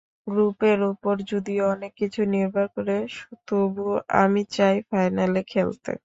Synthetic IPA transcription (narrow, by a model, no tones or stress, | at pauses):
ɡɾupeɾupoɾd͡ʑod̪ioɔnekːit͡ɕʰuniɾbʱaɾkoɾeʃut̪obua̰mit͡ɕajfajnalekʰelt̪ḛ